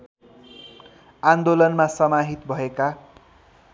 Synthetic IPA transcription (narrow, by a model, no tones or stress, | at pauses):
and̪olʌnmasʌmaɦit̪bʱʌeka